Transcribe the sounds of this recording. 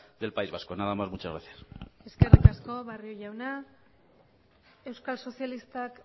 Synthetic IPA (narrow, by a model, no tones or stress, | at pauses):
d̪e̞lpaizβasko̞naðamazmut͡ʃazɣɾaθiae̞ske̞rikasko̞βarioʝawna | e̞wskalso̞sjalist̪ak